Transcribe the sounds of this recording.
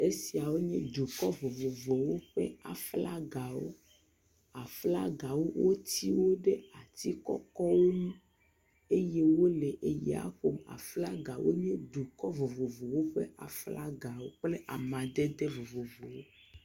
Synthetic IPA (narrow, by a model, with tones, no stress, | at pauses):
e˦si˨a˨wo˦ɲɛ̃˦d̪u˨kɔ˦vo˨vo˨vo˨wo˦ɸɛ̰˦a˨fla˦ɡa˨wo̰˦ | a˨fla˦ɡa˨wo˦wʔo˦t̪i˦wo˦ɖe˦a˨t̪i˦kɔ̰˦kɔ˦wo˦nũ˦ | e˦je˦wo˦lɛ˨ʔe˨ji˨a̰˦xo˦ma̰˨fla˦ɡa˨wʔo̰˦ɲɛ̃˦d̪u˨kɔ˦vo˨vo˨vo˨wo˦ɸɛ̰˦a˨fla˦ɡa˨wo˦k͡ple˦ʔa̰˨mã˨d̪ɛ˦d̪e˦vo˨vo˨vo˨wo˦